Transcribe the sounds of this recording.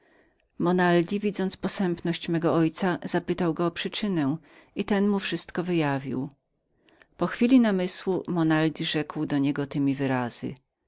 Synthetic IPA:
mɔnald̪ʲivʲid̪zɔnt̪spɔsɛmpnɔɕt͡ɕmɛɡɔɔjt̪saz̥apɘt̪awɡɔːpʂɘt͡ʂɘnɛw̃ | it̪ɛnmufʂɘst̪kɔvɘjavʲḭw | pɔxfʲilʲinamɘswumɔnald̪ʲiʐɛkwd̪ɔɲɛɡɔt̪ɘmʲivɘɾaz̥ɘ̰

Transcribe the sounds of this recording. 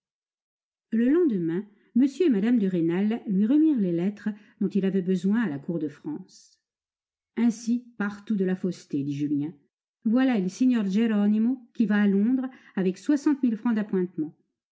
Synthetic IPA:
ləlɑ̃d̪əmɛ̃ | məsjøemad̪amd̪əʁenalːɥiʁəmiʁlelɛt̪χəd̪̥ɔ̃t̪ilavɛbəzwɛ̃alakuʁd̪əfχɑ̃ːs | ɛ̃sipaʁt̪ud̪əlafost̪ed̪iʒyljɛ̃ | vwalaeləseɲœʁʒeʁɔnimokʲivaːlɔ̃d̪ʁ | avɛkswasɑ̃t̪milfχɑ̃d̪apwɛ̃t̪mɑ̃

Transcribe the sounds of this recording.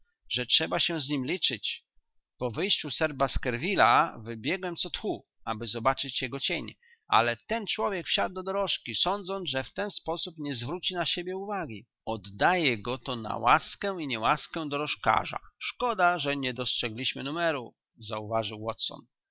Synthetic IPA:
ʐɛtʂɛbaɕɛ̃zɲimlʲit͡ʂɘt͡ɕ | pɔvɘjɕt͡ɕusɛɾbaskɛɾvʲilavɘbʲjɛɡwɛmt̪sɔt̪xu | abɘzɔbat͡ʂɘt͡ɕjɛɡɔt͡ɕeɲ | ʔa̰lɛt̪ɛnt͡ʂwɔvʲjɛkfɕad̪̚ːɔd̪ɔɾɔʂkʲisɔnd̪zɔnʐɛft̪ɛnspɔsupɲɛzvɾut͡ɕinaɕebʲjɛuvaɡʲi | ɔd̪ːajɛɡɔt̪ɔna̰waskɛiɲɛwaskɛ̃d̪ɔɾɔʂka̰ʐa̰ʂkɔd̪aʐɛɲɛd̪ɔstʂɛɡlʲiɕmɘnumɛɾu | zauvaʐɨwːɔt̪sɔ̰n

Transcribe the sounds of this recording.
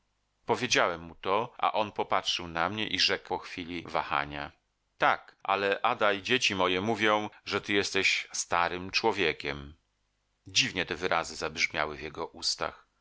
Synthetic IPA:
pɔvʲjed͡ʑawɛmːut̪ɔʔa̰ʔɔnpɔpatʂɘwnamɲɛʔiʐɛkpɔxfʲilʲivaxa̰ɲa | t̪akʔa̰lɛʔad̪aid͡ʑet͡ɕimɔjɛmuvʲjɔ̃w̃ʐɛt̪ɘjɛst̪ɛɕst̪aɾɘmt͡ʂwɔvʲjekʲɛm | d͡ʑivɲɛt̪ɛvɘɾʔazɘzabʐmʲja̰wɘvjɛɡɔʔust̪a̰x

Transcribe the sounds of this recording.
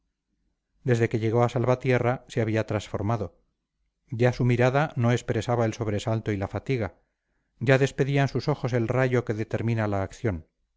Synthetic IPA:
d̪e̞zðe̞ke̞ʎe̞ɣ̞o̞asalβat̪je̞raseaβiat̪ɾansfo̞ɾmaðo̞ | ɟ͡ʝasumiɾaðano̞e̞spɾe̞saβaelso̞βɾe̞salt̪o̞ilafat̪iɣa | ɟ͡ʝaðe̞spe̞ðiansuso̞xo̞se̞lraʝo̞ke̞ðe̞t̪e̞ɾmĩnalaːkθjo̞n

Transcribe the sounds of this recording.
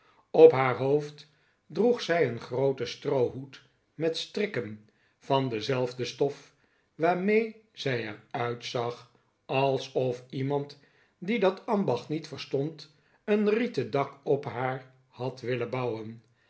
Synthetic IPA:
ɔpɦaːɹɦowft | druχsɛjənχrowtəstrowɦut | mɛtstrɪkən | v̥ɑndəzɛlˠvdəstɔf | ʋaːɹmejz̥ɛjɛɹœɥtsɑχ | ɑlˠsɔfimɑnt | didɑtɑnbɑχtnitfəɹstɔnt | ənritədɑkɔpɦaːɹ | hɑtʋɪlənbɑwən

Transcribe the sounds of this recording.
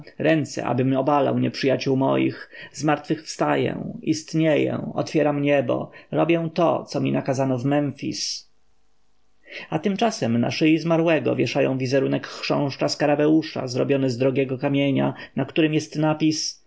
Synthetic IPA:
ɾɛnt̪sɛ̰ʔa̰bɘmɔbala̰wɲɛpʂɘjat͡ɕuwmɔ̰jḭxzmaɾt̪fɘxfst̪ajɛ̰̃ist̪ɲejɛ̰ɔ̰t̪fʲjɛɾamɲɛbɔ̰ɾɔbʲjɛ̃w̃t̪ɔ̰t̪sɔmʲinakazanɔvmɛɱfʲḭs | at̪ɘmt͡ʂasɛmna̰ʂɘizmaɾwɛɡɔ̰vʲjɛʂajɔ̰̃w̃vʲizɛɾunɛkːʂɔ̰̃w̃ʂt͡ʂaskaɾabɛwuʂa̰zɾɔbʲjɔnɘzd̪ɾɔɡʲjɛɡɔkamʲjeɲa̰nakt̪uɾɘmjɛst̪napʲis

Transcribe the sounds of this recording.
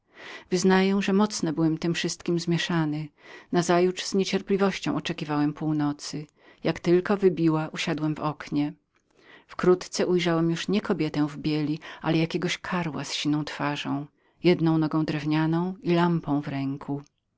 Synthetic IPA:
vɘznajɛw̃ʐɛmɔt̪snɔbɘwɛmt̪ɘmfʂɘst̪̚kʲimzmʲjɛʂanɘnazajut͡ʂz̥ɲet͡ɕɛɾplʲivɔɕt͡ɕɔ̃w̃ɔt͡ʂɛkʲivawɛmpuwnɔt̪sɘ | jakt̪ɘlkɔvɘbʲiwaʔuɕad̪wɛmvɔkɲɛ | fkɾut̪t̪sɛʔujʐawɛmjuʂɲɛkɔbʲjɛt̪ɛ̃vbʲjɛlʲialɛjakʲɛɡɔɕkʰaɾwasɕinɔ̃w̃t̪faʐɔ̃w̃ | jɛd̪nɔ̃w̃nɔɡɔ̃w̃d̪ɾɛvɲanɔ̃w̃ilampɔ̃w̃vɾɛŋkʰu

